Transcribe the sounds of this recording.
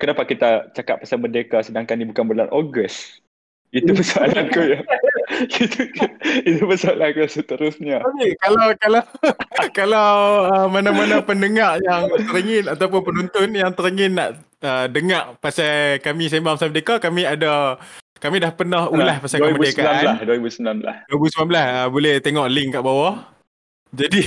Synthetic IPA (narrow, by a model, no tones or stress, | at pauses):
kənapakit̪at͡ʃaka̰ʔ̚pːasamədekasədaŋkanibukanbəlanʔoɡəs | it̪ubəsalank̪uja | it̪uit̪ubəsaalankusət̪əɾʊsɲaamikalawkalakalawəmanamanapəndəŋaʔjaŋt̪əɾəŋɪnat̪awp̬ʊnpənunt̪ʊnjaŋt̪əɾəŋɪnːaʔ | ədəŋaʔpasajkamis̬embaŋmsamədekakamĩada | kamidahpənaɦulahpasakəmədekalalasdwəibusəmilanbəla̰dbusəmanbəlasəbolɛht̪eŋɔʔlɪŋkaʔbawaʔ | d͡ʒadi